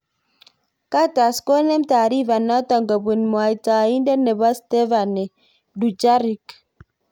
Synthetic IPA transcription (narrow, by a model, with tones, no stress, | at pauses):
ka˦ta˨sko˦ne˦m˦ta˨ɾi˦va˨nːa˦tɔ˨ŋɡa˨bu˨nmwa˨i˨ta˨i˦nde˦ne˨ba˦ste˦va˨ne˨ | du˨d͡ʒa˦ɾi˨k